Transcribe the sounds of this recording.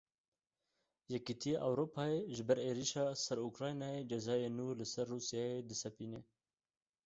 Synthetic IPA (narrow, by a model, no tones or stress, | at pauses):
jɛkit̪ʰijeʔawɾoːpɑːeʒɪbɛɾeːɾiʃɑːsɐɾukɾɑːjnɑːed͡ʒɐzɑːjeːnuːlɪsɐɾːuːsijɑːed̪ɨsɐpiːneː